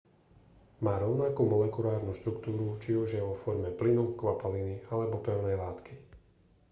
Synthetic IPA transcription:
maːɾɔʊnakuːmɔlɛkulaːɾnuːʃt̪ɾukt̪uːɾut͡ʃiuʒjɛʋɔfɔɾmɛplinukʋapalinialɛbɔpɛʊnɛjlaːt̪ki

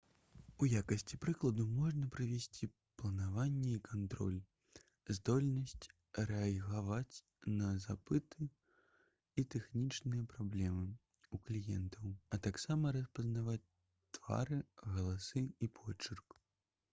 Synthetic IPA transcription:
ujakɐsʲt͡sʲipɾɨklˠɐd̪umɔʐnɐpɾɨvʲɛsʲt͡sʲi | plˠɐnavanʲːɛikʰant̪ɾɔ̰lʲ | zd̪ɔlʲnɐsʲt͡sʲ | ɾɛɐɣavat͡sʲ | nɐzapɨt̪ʰɨ | it̪ɛxnʲit͡ʂnɨjɐpɾablʲɛmɨ | uklʲijɛ̰nt̪ʰɐwɐt̪aksamɐɾɐspɐznavat͡sʲ | t̪v̥a̰ɾɨɣɐlˠasɨipʰɔt͡ʂɨrk

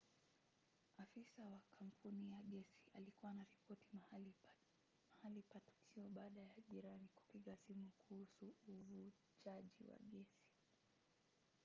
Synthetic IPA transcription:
afisawakʰam̩pʰunijaɠɛsi̥alikuwanaɾipɔti̥ | mahalipatu̥kʰiɔɓaːɗajaʄiɾanikwḁkiɠasimukuhusuːvu | t͡ʃaʄḭwa̰ɠɛsi̥

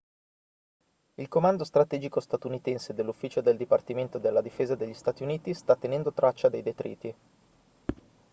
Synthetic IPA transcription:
ilkomand̪ost̪ɾat̪ɛːd͡ʒikost̪at̪unit̪ɛnsed̪elːufːiːt͡ʃod̪eld̪ipart̪iment̪od̪elːad̪ifeːzad̪eʎːist̪aːt̪iuniːt̪ist̪at̪ːenɛnd̪ot̪ɾʔat͡ʃːad̪ejd̪et̪ɾʔḭːt̪i

